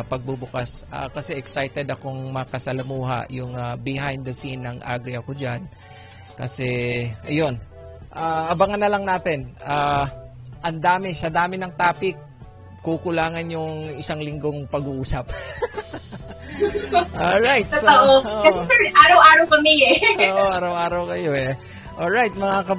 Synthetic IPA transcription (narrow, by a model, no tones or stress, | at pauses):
pɐɡ̚bubʊkasʔɐ̰kɐsɛʔɛksajt̪ɛd̪ɐkoŋmɐkɐsɐlɐmuːɦɐ̰ʔjʊŋɐbɪɦajnd̪ɐsinːɐŋʔa̰ːɡɾiɐko̞d͡ʒan | kɐsɛʔɐjo̞n | ʔaːʔɐbɐŋɐnɐlɐŋnaːt̪ɛnʔaː | ʔɐnd̪aːmɛsɐd̪aːmɪnɐŋt̪aːpɪk̚ | kːukʊlaːŋɐnjʊŋɪsaŋlɪŋɡo̞ŋpɐɡuʔuːsɐp̚ | ʔolɹajt̪̚soaʔooɛʔaːɾɐwʔaːɾɐwkɐmɪɛoːʔoʔaɾɐwʔaːɾɐwkɐjoɛ | ʔolɹajt̪̚mɐŋakɐ